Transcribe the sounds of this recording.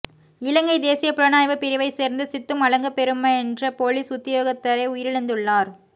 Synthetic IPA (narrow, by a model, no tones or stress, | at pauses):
ɪlɐŋɡɐɪd̪eːsɪjɐpʊɾɐnaːjʋɐpɪɾɪʋɐɪseːɾnd̪ɯsɪt̪ːɯmɐɭɐŋɡɐpːɛɾɯmːɐɛndrɐpoːliːsʊt̪ːɪjoːɣɐt̪ːɐɾɐɪʊjɪɾɪɭɐnd̪ɯɭːaːɾ